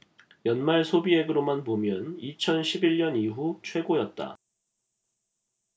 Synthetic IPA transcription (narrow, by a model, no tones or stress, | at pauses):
jʌnmaɭsʰobie̞ɡɯɾomanpomjʌnit͡ɕʰʌnɕʰibiɭɲʌniɦut͡ɕʰwe̞ɡojʌt̚t͈a̰